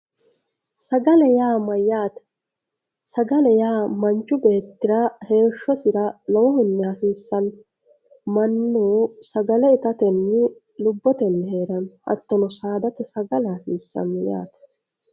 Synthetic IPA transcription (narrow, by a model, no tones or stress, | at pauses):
sɐɡɐlɛjaːmɐjaːt̪ɐ̥ | sɐɡɐlɛjaːmɐnt͡ʃːʊbe̞ːt̪ːɪɾɐhe̞ːʃːɔsɪɾɐlɔwɔhʊnːɛhɐsiːsːɐn | mɐnːuːsɐɡɐlɛɪt̪ɐt̪ɛnːɪ | lʊbːɔt̪ɛnːɛhe̞ːɾɐnhɐ̰t̪ːɔnɔsaːd̪ɐt̪ɛsɐɡɐlɛhɐsiːsːɐ̰nːja̰ːt̪ɐ̥